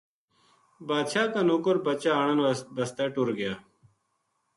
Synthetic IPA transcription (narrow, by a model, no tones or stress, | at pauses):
baːd̪ɕaːkanoːkoɾbɐt͡ɕaːaɳɐnbɐst̪aːʈuɾɡɪjaː